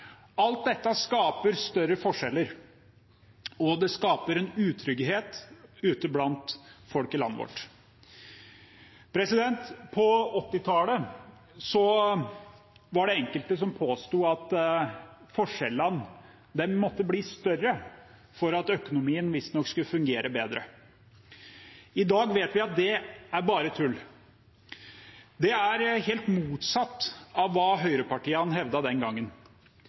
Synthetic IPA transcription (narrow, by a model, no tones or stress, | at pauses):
ɑlt̪̚d̪ɛt̪ːəskɑːpəɾst̪œɾəfɔʂɛlːəɾ | ɔd̪ɛskɑːpəɾɛnʉːt̪ʰɾʏɡheːt̪ʉːt̪əblɑnt̪fɔlkɪlɑ̰nːə̰ʋɔ̰ʈ | pʰɾɛsɪd̪ɛnt̪pʰɔɔt̪ːɪt̪ʰɑːlə | sɔ | ʋɑɖɛɛŋkəlt̪əs̬ɔmpʰoːst̪uːɑt̪ | fɔʂɛlːɑn | d̪ɛnmɔt̪ːəbliːst̪œrːə | fɔɾɑt̪œkʊnʊmiːənʋɪst̪nɔkskʉlːəfʉŋɡeːɾʔəbeːd̪ɾə̰ | ɪd̪ɑːɡʋeːt̪ʋɪɑt̪̚d̪ɛæɾbɑːɾət̪ʰʉlː | d̪ɛæɾheːlt̪muːt̪sɑt̪ːɑʋːɑːɦœʏɾəpɑʈiːəɑnɦɛʋd̪ɑd̪ɛnɡɑŋːən